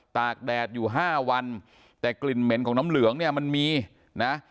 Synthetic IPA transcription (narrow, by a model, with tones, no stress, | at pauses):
t̪aː˨˩k̚dɛː˨˩t̪̚juː˨˩ɦaː˥˩wa˧n | t̪ɛː˨˩kli˨˩nme˩˦nkʰɔː˩˦ŋnaː˦˥mlɯ˩˦əŋni˥˩ɐma˧nmiː˧ | na˦˥